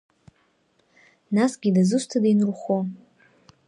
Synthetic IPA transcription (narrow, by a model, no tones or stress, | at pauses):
nasɡʲidazɨʃʷtʰadajnrχʷo